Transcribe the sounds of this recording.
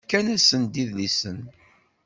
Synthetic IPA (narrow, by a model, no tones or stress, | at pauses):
kːænæsənd̪iðlisən